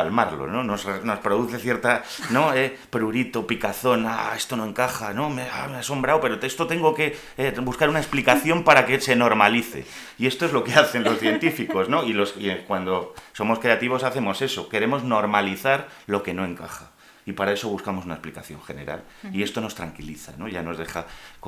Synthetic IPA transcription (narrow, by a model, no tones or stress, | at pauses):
almaɾlo̰no̞no̞sreno̞spɾo̞ð̞uθe̞θje̞ɾt̪a | no̞e | pɾuɾit̪o̞pikaθo̞nae̞st̪o̞no̞e̞ŋkaχano̞mea̰measo̞mbɾawpe̞ɾot̪est̪ot̪e̞ŋɡo̞ke̞ | ebuskaɾunae̞splikaθjo̞mpaɾake̞se̞no̞ɾmaliθe̞̰ | ie̞st̪o̞e̞zlo̞ke̞aθe̞nlo̞sθje̞nt̪ifiko̞zno̞ilo̞sikwand̪o̞so̞moskɾe̞at̪iβ̞o̞saθe̞mo̞se̞so̞ke̞ɾe̞mo̞zno̞ɾmaliθaɾ | lo̞ke̞no̞e̞ŋkaχa | ipaɾae̞so̞β̞uskamo̞sunae̞splikaθjo̞̰ŋxe̞ne̞̰ɾa̰l | ie̞st̪o̞no̞st̪ɾaŋkiliθa̰no̞ʝano̞zðe̞χak